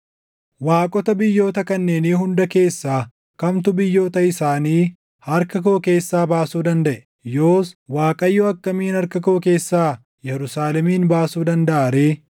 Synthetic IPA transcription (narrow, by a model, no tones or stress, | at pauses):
waːkʼɔt̪ɐbɪjːo̞ːt̪ɐkɐnːeːniːɦʊnd̪ɐke̞ːsːaː | kɐmt̪ʊbɪjːo̞ːt̪ɐɪsaːniː | hɐɾkɐkoːke̞ːsːaːbaːsuːd̪ɐnd̪ɐʔɛ | joːswaːkʼɐjːoɐkːɐmiːnɐɾkɐkoːke̞ːsːaː | jɛɾʊsaːlɛmiːnbaːsuːd̪ɐnd̪ɐʔaːɾeː